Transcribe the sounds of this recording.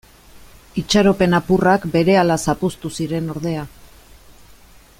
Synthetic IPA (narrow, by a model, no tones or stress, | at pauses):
it͡ʃaɾo̞pe̞napurakbe̞ɾe̞alasapust̪usiɾe̞no̞ɾð̞e̞a